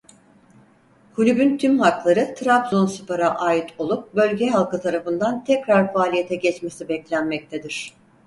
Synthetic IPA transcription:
hʰulʲybynt̪ʰymhaklˠaɾɯt̪ʰɾapzonsɯpaɾaʔaːjit̪ʰo̞lˠup̚bø̞lʲɟɛɦalˠkɯt̪ʰaɾafɯnd̪ant̪ʰɛcɾaɾfaːlʲijet̪ʰɛɟɛt͡ʃmesibɛclʲænmɛc̚t̪ʰed̪iɾ̥

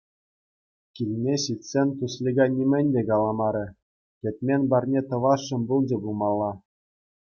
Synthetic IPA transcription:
kʲilʲnʲeɕitʲsʲenʲt̪uslʲiɡɑnʲimʲɘ̆nʲdʲekɑlˠɑmɑɾʲɘ̆ | tʲɘ̆t̪ʲmʲenʲbɑrʲnʲet̪ɤ̆ʋɑʂːɤ̆mbulˠd͡ʑɤ̆bulˠmɑlˠːɑ

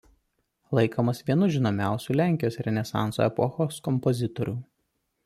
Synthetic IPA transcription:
lˠɐɪkoːmɐsʋʲiɛnʊʒʲɪnoːmʲæˑʊsʲuːlʲæːˑŋʲkʲɪjoːsɾʲɛnʲɛsɑ̰ˑnso̰ːɛpɔxoːskɔmpɔzʲɪt̪ɔɾʲuː

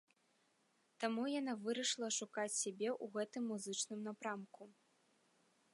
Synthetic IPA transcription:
t̪amujan̪avɨɾɐʂlˠɐʂukat͡sʲsʲabʲɛʔuɣɛt̪ɨmːuzɨt͡ʂnɨmnapɾamku

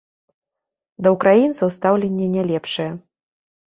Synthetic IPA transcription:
d̪ɐukɾajint̪sɐwst̪awlʲenʲːɛnʲɛlʲɛpʂɨjɛ

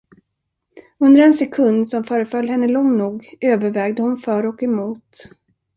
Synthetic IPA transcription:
ɵnd̪əɾɛnsɛkʰɵnd̪sɔmfœːɾəfœlːhɛnːəlɔŋnuːɡʔøːvəɾvɛːɡd̪əhʊnfœːɾɔkɛmuːt̪

